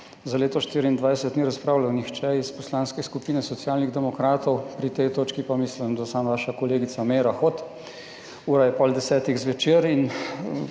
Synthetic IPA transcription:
zaleːt̪ɔʃt̪iːɾiiːnd̪ʋajsɛt̪niɾaspɾaːwlawnixt͡ʃɛispɔslaːnskɛskupiːnɛsɔt̪sjaːlniɣd̪ɛmɔkɾaːt̪ɔwpɾit̪ɛjt̪oːt͡ʃkipamiːslimd̪asamʋaːʃakɔleːɡit̪sameːɾaxot̪ | uːɾajɛpɔːld̪ɛsɛːt̪iɣzʋɛt͡ʃeːɾin

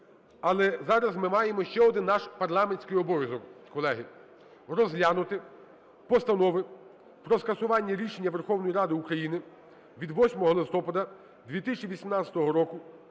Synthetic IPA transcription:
ɐlˠɛzɑɾɐzmɪmɑjemɔʃt͡ʃɛɔd̪ɪnːɑʃpɐrlˠɑmenʲsʲkɪjɔbɔʋʲjɐzɔkkɔlˠɛɦɪ | rɔzɦlʲanʊt̪ɪ | pɔst̪ɐnɔʋɪ | pɾɔskɐsʊʋɑnʲːɐɾʲiʃenʲːɐʋerxɔwnɔjiɾɑd̪ɪukɾɐjinɪ | ʋʲid̪ʋɔsʲmɔɦɔlˠɪst̪ɔpɐd̪ɐ | d̪ʲʋʲit̪ɪsʲt͡ʃʲiʋʲisʲimnɑt͡sʲɐt̪ɔɦɔɾɔkʊ

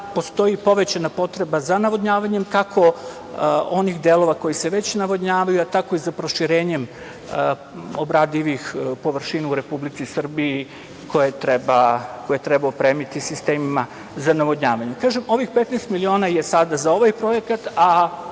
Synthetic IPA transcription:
po̞st̪o̞jipo̞ʋe̞t͡ɕanapo̞t̪ɾe̞bazanaʋod̪ɲaːʋaɲe̞mkakʰo̞ | o̞nixd̪elˠo̞ʋako̞jise̞ʋe̞t͡ɕnaʋo̞d̪ɲaːʋajuat̪ako̞izapɾo̞ʃiɾe̞ːɲe̞m | obɾaːd̪iʋixpo̞ʋr̩ʃinauɾe̞publit̪sisr̩bii | kʰo̞jet̪ɾebakojet̪ɾebaopɾeːmit̪isist̪eːmima | zanaʋo̞d̪ɲaːʋaɲekaːʒemo̞ʋixpet̪nɛst̪milio̞ːnajesad̪azao̞ʋajpɾo̞je̞kat̪a

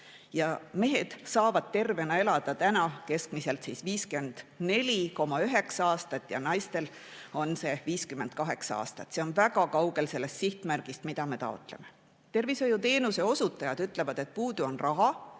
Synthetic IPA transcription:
jɑme̞ɦe̞d̪̥sɑːvɑd̪̥̚t̪e̞rve̞nɑe̞lɑd̪̥ɑt̪ænɑke̞skmise̞lt̪sisviːske̞nd̪̥ne̞lʲiko̞mɑyɦe̞ksɑɑːst̪ɑt̪ːˑjɑ̰nɑjst̪e̞l | o̞nse̞viːskyme̞nd̪̥̚kɑɦe̞ksɑɑ̰ːst̪ɑt̪ːse̞o̞nvæɡ̥ɑkɑwɡ̥e̞lse̞lːe̞st̪siht̪mærɡ̥ist̪mid̪̥ɑme̞t̪ɑ̰o̞t̪ˑle̞me̞ | t̪e̞rvisojut̪e̞ːnuseo̞sut̪ːˑɑjɑd̪̥yt̪ːˑle̞vɑd̪̥e̞t̪̚puːd̪uo̞nrɑɦɑ

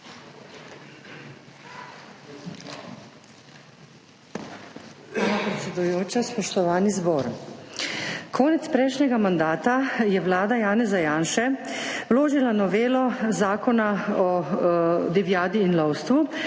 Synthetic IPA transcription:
apɾɛt̪sʲɛd̪ujoːt͡ʃaspɔʃt̪ɔʋaːnizbɔːɾ | kʰɔːnɛt̪spɾɛjʃɲɛɡamand̪aːt̪ajɛʋlaːd̪ajaːnɛzajaːnʃɛwloːʒilanɔʋeːlɔzaːkɔnaɔ | d̪ɛʋjaːd̪iːnlɔwst̪ʋu

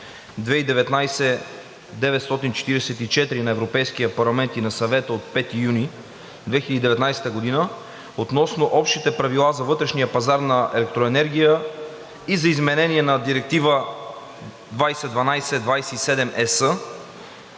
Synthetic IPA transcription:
d̪vɛid̪ɛvɛt̪najsɛ | d̪ɛvɛt̪st̪ɔt̪int͡ʃɛ̥t̪iɾɛsɛt̪it͡ʃɛt̪ɾinɐɛvɾopɛjskiəpɐɾlˠɐmɛnt̪inɐsɐvɛt̪əot̪̚pɛt̪ijuni | d̪vɛxilʲəd̪id̪ɛvɛt̪najsɛ̥t̪əɡod̪inə | ot̪nɔsnoʔɔpʃt̪it̪ɛpɾɐvilˠazɐvɤt̪ɾɛʃnijəpɐzaɾnɐɛ̰lɛk̚t̪ɾoɛnɛɾɡ̟ʲijə | izɐizmɛnɛniɛnɐd̪iɾɛk̚t̪ivə | d̪vajsɛd̪vɐnajsɛd̪vajsɛisɛd̪ɛmʔɛsə

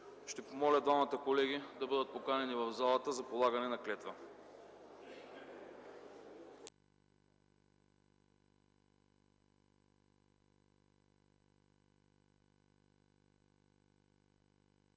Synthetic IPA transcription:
ʃt̪ɛpomɔlʲəd̪vamət̪əkolɛɡʲid̪ɐbɤd̪ət̪̚pokanɛnivɐvzalˠɐt̪əzɐpolˠaɡɐnɛnɐklɛt̪və

